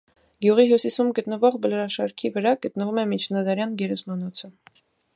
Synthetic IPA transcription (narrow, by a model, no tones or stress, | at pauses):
ɡjuʁiɦjusisumɡət̪nəvɔʁbəlɾɑʃɑɾkʰivəɾɑɡət̪nəvumɛmit͡ʃʰnɑd̪ɑɾjɑnɡɛɾɛsmɑnɔt͡sʰə